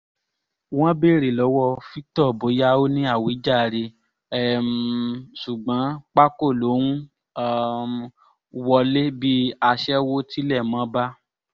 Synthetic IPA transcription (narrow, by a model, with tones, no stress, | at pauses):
w̃ɔ̃˦be˦˨ɾe˨lɔ˨˦wɔ˦˧fi˦tɔ˦˨bo˨˦ja˦o˦nĩ˦a˦˨wo˨˦i˦d͡ʒa˦˨ɾe˧ | ɛ˨msu˨ɡ͡bã˨˦k͡pa˦ko˦˨lo˨˦nũ˦ | wɔ˧le˦bi˦a˧ʃɛ˦wo˦ti˦lɛ˦˨mã˨˦ba˦